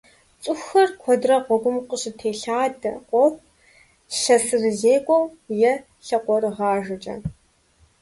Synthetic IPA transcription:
t͡sʼʊxɐrkʷʰɔdrɐqʷɔɡʷʊmqʼəɕʼɪtʰeːɬaːdɐqʷɔxʷ | ɕɐsɨrɨzeːkʷʼɔwjɛ | ɬɐqʷɔrɨʁɑːʒɨt͡ʃʼɐ̰

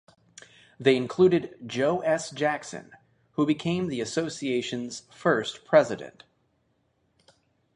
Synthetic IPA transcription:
ðeɪɨ̃nkʰl̥uɾɨd̚d͡ʒoʊʔɛsd̥ʒ̥æksɨ̰̃n | hubɨkʰẽɪ̃mðiɨsoʊsieɪʃɨ̃nz̥fɜ˞stpʰɹ̥ɛzɨɾɨ̰̃nt

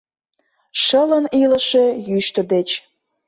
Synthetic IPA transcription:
ʃələnilə̆ʃe̽jyʃt̪ə̆d̪et͡ɕ

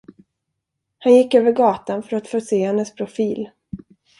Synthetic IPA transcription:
hanjɪkːøːvəɾɡɑːt̪anfœɾat̪foːseːhɛnːəspʰɾʊfiːl

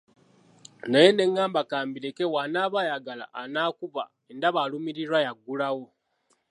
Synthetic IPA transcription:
najene̞ŋːaːmbakaːmbiɾekewanaːβajaɡala̰ʔːnaːkuβa̰ | endaβalumiɾiɾwajaɡːulawo̞

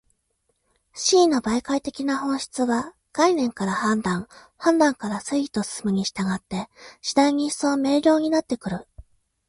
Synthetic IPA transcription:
ɕiːnːo̞baikait̪e̞kʲinahõ̞ɰ̃ɕi̥t͡sɨβa | ɡ̥ainẽ̞ŋkaɾahãnd̪ãŋ | hãnd̪ãŋkaɾasɨi̥t̪o̞sɨ̥sɨmɯ̟ɲ̟iɕi̥t̪aɡat̪ːe̞ɕid̪aiɲ̟i̥so̞ːme̞ːɾʲo̞ːɲ̟inat̪ːe̞kɯ̟ɾɯ̟

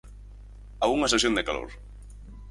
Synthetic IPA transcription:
auŋɐsesjond̪ekalo̰ɾ

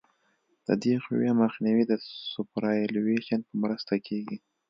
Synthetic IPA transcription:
d̪̥ə̰d̪exʊ̰wjɑməxniwid̪əsʊpɾɑelweʃanpəmɾəst̪akʰeɡi

